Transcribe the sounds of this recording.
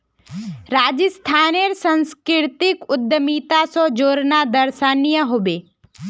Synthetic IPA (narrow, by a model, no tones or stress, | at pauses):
ɾaːd͡ʒəst̪ʰaːneɾsə̃nskɪɾt̪ɪkʊd̪jəmiːt̪asɔd͡ʒoːɾnad̪əɾʃaːnijəɦoːbeː